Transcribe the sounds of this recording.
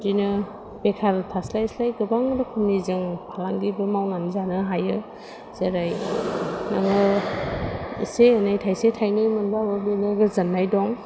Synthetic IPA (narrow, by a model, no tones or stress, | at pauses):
dinɯ | bekʰaɾɯtʰaslajslajɡɯbaŋdɯkʰumnizɯŋpʰalaŋɡibɯmawnanzanɯɦajɯ | z̥eɾaj | naŋɯ | ḭsenajtʰajsetʰajnɯjmɯnbababinɯɡɯzanːajdɔŋ